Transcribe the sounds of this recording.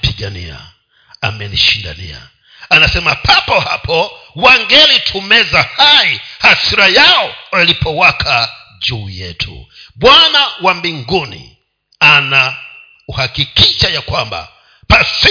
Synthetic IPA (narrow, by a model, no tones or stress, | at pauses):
piɡanḭa̰ | a̰mɛniʃinda̰nḭa̰ | anasɛmapʰapɔhapʰɔwaŋɡɛlitʰumɛzahaihasiɾajaɔalipɔwakʰa | d͡ʒujɛ̰tʰṵɓwanawambiŋɡunḭ | ana | uhakikiʃajakwamba̰ | pasi